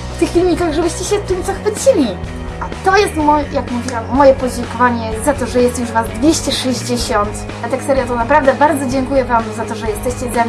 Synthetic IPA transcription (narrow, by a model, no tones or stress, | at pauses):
ft̪ɘxfʲilʲɲʲikaɣʐɛbɘɕt͡ɕɛɕɛt̪ɘmt̪sɔxfɘt͡ɕilʲi | at̪ɔjɛst̪mɔjakmuvʲiwamːɔjɛpɔd͡ʑɛŋkɔvaɲɛjɛst̪zat̪ɔʐɛjɛst̪juʂvazd̪vʲjeɕt͡ɕɛʂɛʑd͡ʑeɕɔnt̪ | ɛt̪ɛksɛɾjat̪ɔnapɾavd̪ɛbaɾd̪zɔd͡ʑɛŋkujɛvamzat̪ɔʐɛjɛst̪ɛɕt͡ɕɛzamʲ